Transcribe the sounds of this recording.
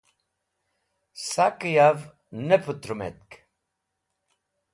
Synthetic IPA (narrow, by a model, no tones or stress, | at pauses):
sakəjav | nəpʰut̪ɾumḛt̪̚k